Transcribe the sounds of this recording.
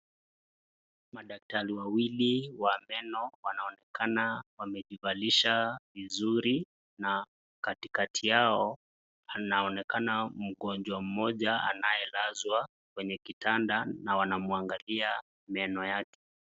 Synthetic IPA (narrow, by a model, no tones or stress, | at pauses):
maɗak̚taɾiwawiliwamɛnɔwanaɔnɛkanawamɛʄivaliʃavizuɾi | na | katikatʰijaɔ | anaɔnɛkanam̩ɠɔnd͡ʒwam̩mɔʄaa̰najɛlazwa | kwɛɲɛkitʰandanawanamuaŋɡalia | mɛnɔjakɛ̥